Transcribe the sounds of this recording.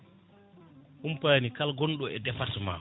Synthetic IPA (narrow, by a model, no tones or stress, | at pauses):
ʔumpajnikalɡɔnɗɔɛdɛfatma̰w